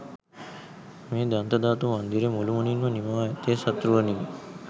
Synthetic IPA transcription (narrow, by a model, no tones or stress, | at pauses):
meːd̪ant̪ɐd̪aːt̪umɐnd̪iɾemulumuninʋɐnimaːɛt̪eːsɐt̪ɾuʋɐniː